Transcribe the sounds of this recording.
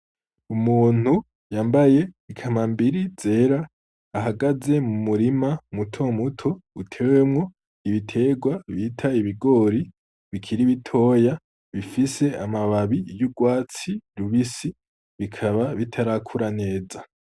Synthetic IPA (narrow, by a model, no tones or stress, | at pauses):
umuːn̥hu | jaːmbaje̞ikʰamambiɾize̞ːɾaː | ɦaɡaze̞mumuɾimamutʰo̞mutʰo̞utʰe̞ːwe̞mŋo̞ | iβitʰe̞ːɡwaβitʰaiβiɡo̞ɾi | βikʰiɾiβitʰo̞ːja | βifise̞amaβaβijuɡwaːt͡siɾuβisi | βikʰaβaβitʰaɾakʰuɾane̞ːza